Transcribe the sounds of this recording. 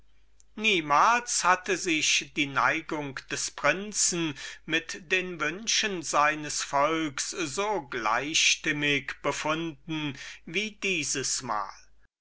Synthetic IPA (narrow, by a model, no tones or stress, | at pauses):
niːmaːlshatəzɪçd̥iːna̰ɪɡʊŋkd̥ɛspʁ̥ɪnt͡sn̩mɪtd̥eːnvʏnʃənzaɪnəsfɔlkszoːɡla̰ɪʃtɪmɪkb̥əfʊndn̩viːdiːzəsma̰ːl